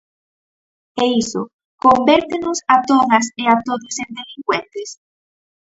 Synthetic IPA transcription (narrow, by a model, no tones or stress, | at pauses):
eiso̰ | kombɛɾt̪enʊsat̪oðɐseat̪oðosend̪eliŋkwent̪es